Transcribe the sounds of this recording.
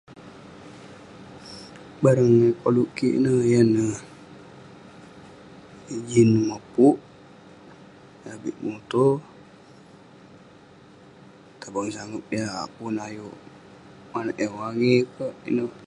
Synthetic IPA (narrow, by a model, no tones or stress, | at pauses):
baɾəŋəkoluʔkiʔḭnəjənə | id͡ʒinəmapuʔ | abiʔmut̪o | t̪abaŋsaŋəp̚ja̰punajoʔ | manəʔjəwaɡekəʔḭnə